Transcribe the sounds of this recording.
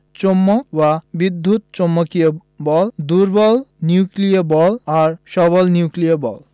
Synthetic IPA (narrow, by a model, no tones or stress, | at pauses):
t͡ɕomːobabid̪ʱːut̪t͡ɕomːokijo | bɔld̪uɾbɔlniuklijabɔlaɾʃɔβɔlniuklijaɾbɔ̰l